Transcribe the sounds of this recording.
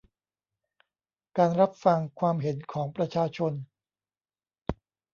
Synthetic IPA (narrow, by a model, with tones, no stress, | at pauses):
kaː˧nɾa˦˥p̚fa˧ŋkʰwaː˧mɦe˩˦nkʰɔː˩˦ŋpɾa˧t͡ɕʰaː˧t͡ɕʰo˧n